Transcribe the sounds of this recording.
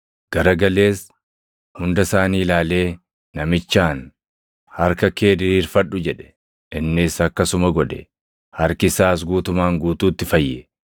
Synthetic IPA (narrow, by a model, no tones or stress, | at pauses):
ɡ̥ɐɾɐɡɐle̞ːs | hʊnd̪ɐsaːniːlaːle̞ː | nɐmɪt͡ʃːaːn | hɐɾkɐke̞ːd̪ɪɾiːɾfɐᶑːʊd͡ʒɛᶑɛ̥ | ʔɪnːɪsɐkːɐsʊmɐɡɔᶑ̪ɛ | hɐɾkɪsaːs̬ɡuːt̪ʊmaːŋɡuːt̪uːt̪ːɪfɐjːɛ